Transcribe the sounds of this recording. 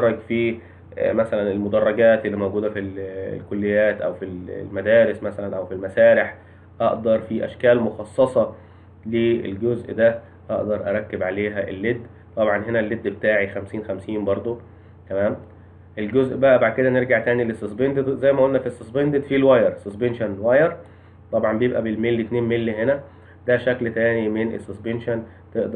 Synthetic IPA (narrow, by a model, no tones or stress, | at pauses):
ɑrˤːɑɡfiː | mæsælænelmod̪ɑrˤːɑɡæːt̪ʔelːimowɡuːd̪æfil̰lkolːejːæːt̪ʔæ̰wfillmæd̪æːɾesmæsælænʔæwfilmæsæːɾeħ | ʔɑʔd̪ɑɾˤfiʔæ̰ʃkæːlmoxɑsˤːɑsˤɑ | leḛlɡozʔd̪æ | ʔɑʔd̪ɑɾˤʔæ̰ɾˤɑkːebʕaleːɦæʔḛlːed̪ː | t̪ˤɑbʕɑnɦenælːed̪ːbet̪aːʕixæmsiːnxæmsiːmbɑɾˤd̪ˤo | t̪æmæːm | ʔelɡozʔbæʔæbaʕd̪̚ked̪æneɾɡaʕt̪æːnilesːesbend̪ed̪zæjmæʔolnæfisːesbend̪ed̪filwæjɑɾˤsesbenʃænwæjɑɾˤ | t̪ˤɑbʕɑmbejebʔæbelmelːet̪neːnmelːɦenæ | d̪æʃæklt̪æːnimenḛsːesbenʃæn | t̪eʔd̪